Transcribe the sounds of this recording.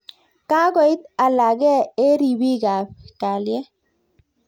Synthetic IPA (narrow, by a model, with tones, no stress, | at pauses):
ka˦ɡɔ˨ɪ˦t̪a˨la˨ɡɛ˦e˦ɾi˨bi˦ɡa˨p̚ka˨ljɛ˦